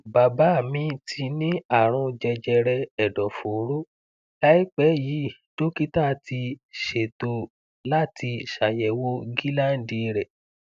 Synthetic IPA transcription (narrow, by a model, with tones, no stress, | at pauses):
ba˨ba˨˦˨mĩ˧tʰi˧nĩ˦a˦˨ɾ̃ɔ̃˧d͡ʒɛ˧d͡ʒɛ˧ɾɛ˧ɛ˨dɔ˨fo˨˦ɾo˦ | la˦i˦k͡pɛ˨˦jiː˨˦˨d̥o˦ki˦ta˦tʰi˧ʃe˨to˧˨ | la˦tʰi˧ʃa˨jɛ˨˦wo˦ɡi˦lã˦˨n̩˦di˧ɾɛ˨